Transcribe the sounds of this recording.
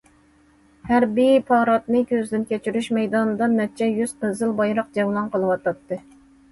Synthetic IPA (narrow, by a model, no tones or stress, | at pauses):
hæɾbijpʰɑːɾɑt̪nɨkʲʰøzd̪ɪnkʲet͡ʃʰyɾyʃmɛjd̪ɑnd̪ɑmɛt̪̚t͡ʃʰɛjyz̥qʰəzɨlˠbɑjɾɑq̚d͡ʒɛwlˠɑnqəlˠɨwɑt̪ɑt̪ːɨ